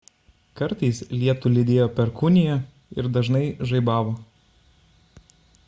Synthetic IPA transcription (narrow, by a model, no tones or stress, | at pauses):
kɐɾt̪ɐɪslʲiɛt̪ʊlʲɪd̪ʲeːjoːpʲɛɾkʊnʲɪjɛ | ɪ̰ɾd̪ɐʒnɐɪʒɐɪbɑːʋoː